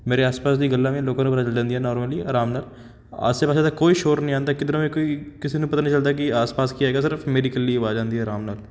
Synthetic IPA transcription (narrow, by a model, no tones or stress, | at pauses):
meːɾeaːspaːs̬d̪iɡəlːamẽloːkãnẽpəɾat͡ʃld͡ʒãːnd̪iɦɛnɔːɾməliaːɾaːmnaːl | a̰sːepaːsad̪akoːiʃoːɾnəɦĩãːnd̪akɪd̪ɾõmẽkoːikɪsinupɐt̪anĩt͡ʃəld̪akiaːspaːskiaɦeːɡas̬ɪɾfmeːɖikəlːiʋaːd͡ʒãːnd̪iɦɛɾaːmnaːl